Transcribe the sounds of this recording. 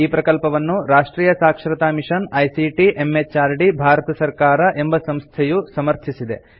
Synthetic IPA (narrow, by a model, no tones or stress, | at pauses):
iːpɾɐkɐlpɐʋɐnːuɾaːʂʈɾiːjɐsaːkʂɾɐt̪aːmiʂɐnɐjsiʈiʔemːet͡ʃaːɾɖibʱaːɾɐt̪ɐsɐɾkaːɾɐʔe̞mbɐsɐmst̪ʰɛjusɐmɐɾt̪ʰisid̪e̞̰